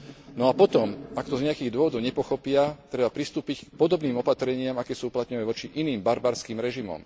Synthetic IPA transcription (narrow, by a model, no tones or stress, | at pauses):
nɔapɔt̪ɔmakt̪ɔzɲɛakiːɣd̪ʊɔʋɔd̪ɔʊɲɛpɔxɔpɪat̪ɾɛbapɾist̪uːpick̚pɔd̪ɔbniːmɔpat̪ɾɛɲɪamakɛːsuuplat̪ɲɔʋaʋɔt͡ʃiʔiniːmbaɾbaɾskiːmɾɛʒimɔ̰m